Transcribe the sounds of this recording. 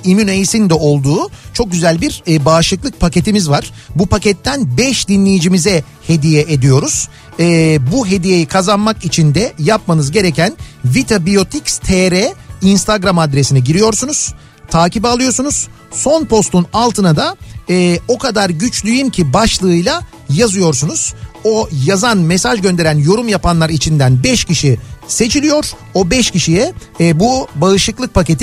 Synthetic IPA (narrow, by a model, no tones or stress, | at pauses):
imynejisind̪ɛo̞lˠd̪uːt͡ʃʰo̞k̚ɟyzælʲbiɾbaːʃlˠɯklˠɯk̚pʰace̞t̪ʰimizvaɾ̥ | bupʰacɛt̪ʰːænbɛʃd̪inlʲejid͡ʒimizɛ | he̞d̪ijɛʔed̪ijo̞ɾuz̥ | ɛːbuɦe̞d̪ije̞jikʰazanmakit͡ʃʰind̪ɛjapmanɯzɟe̞ɾecʰænvit̪ʰabijo̞t̪ʰicst̪ʰeɾɛinst̪ʰaɡɾamad̪ɾesinɛɟiɾijo̞ɾsunuz̥ | t̪ʰaːcibalˠɯjo̞ɾsunuz̥ | so̞npʰo̞st̪unalˠt̪ʰɯnad̪aɛːo̞kʰad̪aɾɟyt͡ʃlʲyjymcʰibaʃlˠɯːjlˠa | jazɯjo̞ɾsunuz̥o̞jazanmɛsaʒɟø̞nd̪e̞ɾænjo̞ɾumjapʰanlˠaɾit͡ʃʰind̪ænbɛʃciʃise̞t͡ʃʰilʲijo̞ɾ̥ | o̞bɛʃciʃijɛ | bubaɯʃlˠɯklˠɯk̚pʰace̞t̪ʰi